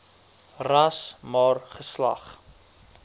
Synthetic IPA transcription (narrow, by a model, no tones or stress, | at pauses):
rɐsmɑːrχəslɐ̰χ